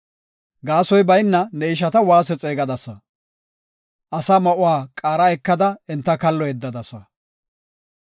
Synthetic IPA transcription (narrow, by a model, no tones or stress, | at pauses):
ɡaːsɔjbɐjnːɐnɛɪʃ̬ɐt̪ɐwaːsɛt͡sʼeːɡɐd̪ɐsːɐ | ʔɐsamɐʔʊwaːkʼaːɾɐɛkːɐd̪ɐɛnt̪ːɐkɐlːɔjɛd̪ːɐd̪ɐsɐ